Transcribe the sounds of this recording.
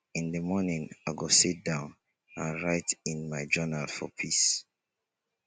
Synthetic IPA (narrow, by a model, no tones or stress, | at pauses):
ĩnðəmɔnĩŋaɪɡosit̚dãʊ̃n | ãnɹaɪtĩnmaɪd͡ʒɜnalfɔ̰pʰis